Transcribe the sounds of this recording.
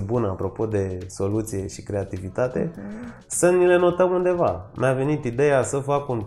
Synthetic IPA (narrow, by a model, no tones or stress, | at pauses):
bunəapɾo̞po̞d̪e̞so̞lut̪sije̞ʃi̥kɾe̞at̪ivit̪at̪e̞̰ | sənile̞no̞t̪əmund̪e̞va̰nave̞nit̪id̪e̞jasəfakunp̪